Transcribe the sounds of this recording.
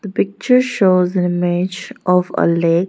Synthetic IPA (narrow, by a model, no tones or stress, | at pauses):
d̪̥əpɪk̚t͡ʃəɾʃoːzɪ̃nɪmɪd͡ʒʔɔfə̰leːk